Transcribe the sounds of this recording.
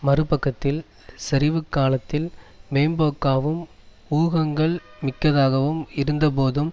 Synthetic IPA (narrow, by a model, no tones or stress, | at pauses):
mɐrɯpɐkːɐt̪ːɪl | sɛɾɪʋɯkːaːlɐt̪ːɪlmeːmboːkːaːʋɯm | uːɣɐŋɡɐɭmɪkːɐðaːɣɐʋɯmɪɾɯnd̪ɐpoːðɯm